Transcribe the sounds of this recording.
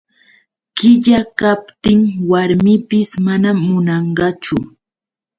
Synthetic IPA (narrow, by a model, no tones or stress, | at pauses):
kɪʎakap̚t̪ɪŋwaɾmɪpɪsmanamːʊnɑɴɢɑt͡ʃʊ̰